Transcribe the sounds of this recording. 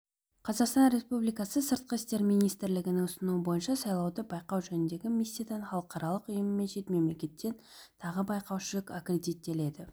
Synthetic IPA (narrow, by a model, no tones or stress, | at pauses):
qʰɑzɑqst̪ɑnɾe̞spublijkɑsəsəɾt̪̚qəɪst̪e̞ɾmijnijst̪ɪɾlɪɡʲɪnɪŋʊsənuəbo̞jənʃɑsɑjlˠɑwd̪əbɑjqɑwʒɵnɪnd̪e̞ɡʲɪmisʲːijad̪ɑnχɑlˠəqɑɾɑlˠəqʊjəmme̞nʃe̞t̪me̞mle̞kʲe̞t̪ːe̞n | t̪ʰɑʁəbɑjqɑwʃɪlɪkakre̞d̪it̪ːe̞le̞d̪ɪ